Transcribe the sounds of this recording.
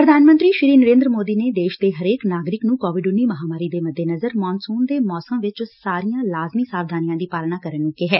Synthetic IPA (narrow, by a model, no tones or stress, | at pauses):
pɾəd̪ʱaːnmənt̪ɾiːʃɾiːnəɾẽːnd̪ɾəmoːd̪iːneːd̪eːʃd̪eːɦəɾeːknaːɡɾɪknũːkɔːʋɪɖʊnːiːməɦaːmaːɾiːd̪eːməd̪ʱːeːnəzəɾmɔːnsuːnd̪eːmɔːsəmʋɪt͡ʃsaːɾijãːlaːzmiːsaːʋd̪ʱaːnijãːd̪iːpaːlnaːkəɾənʊkːeːɦɛː